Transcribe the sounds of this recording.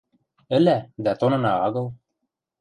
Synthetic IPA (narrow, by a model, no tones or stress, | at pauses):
ɘ̆læd̪æt̪onɤ̆nɑɑɡɤ̆lˠ